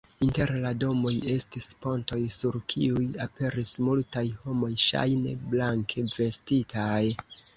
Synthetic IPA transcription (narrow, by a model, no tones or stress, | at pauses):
inte̞ɾlado̞mo̞je̞stispo̞nto̞jsuɾkʰiujape̞ɾismultajho̞mo̞jʃa̰jne̞̰blaŋkʰe̞ve̞stitʰaj